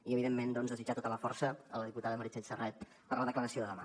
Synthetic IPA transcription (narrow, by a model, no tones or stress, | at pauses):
iəβiðemːend̪ɔnzðəzid͡ʒat̪ot̪ələfɔrsəələðiput̪aðəməɾit͡ʃɛʎsərɛt̪̚ | pəɾləðəkləɾəsioðəðəma